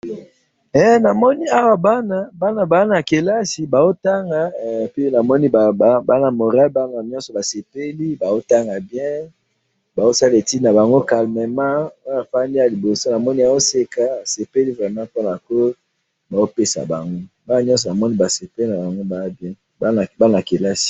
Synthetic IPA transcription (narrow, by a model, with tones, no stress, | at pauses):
ɛ˦na˨mɔ˦ni˦a˦wa˨ba˦na˦ba˦na˨ba˨˦na˨ke˨la˦si˨ba˨zo˦ta˦ŋɡa˨pi˦na˨mɔ˦ni˦bba˦na˨mo˨ʁa˦lba˦na˨ɲɔ̃˦sɔ˨ba˨se˨pe˦li˦ba˨o˦ta˦ŋɡa˨bjɛ̃˦ | ba˨o˦sa˦le˨ti˦na˨ba˨ŋɡo˦ka˨lme˨mã˦o˦na˨fa˦ndi˦ja˨li˨bo˨so˦na˨mɔ˦ni˦a˨o˦se˦ka˦a˨se˨pe˦li˦vʁɛ˨mã˦po˦na˨ko˦ | ba˨zo˦pe˦sa̰˨ba˨ŋɡo˦ba˦na˨ɲɔ̃˦s̬ɔ˨na˨mɔ˦ni˦ba˨se˨pe˦li˦na˨ba˨ŋɡo˦ba˨a˦bjɛ̃˦˨ | ba˦n˨a˨ke˨la˦si̥˨